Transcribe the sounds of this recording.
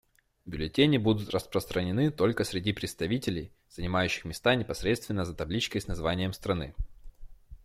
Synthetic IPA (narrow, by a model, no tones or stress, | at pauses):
bʲʊlʲɪtʲenʲɪbud̪ʊt̪rəspɾəst̪ɾənʲɪnɨt̪o̞lʲkəsɾʲɪdʲipɾʲɪt̪st̪ɐvʲitʲɪlʲɪj | z̥ənʲɪmajʉɕːɪ̥xmʲɪst̪anʲɪpɐsɾʲet̪st̪vʲɪnːəzət̪ɐblʲit͡ɕkəjsnɐzvanʲɪjəmst̪ɾɐnɨ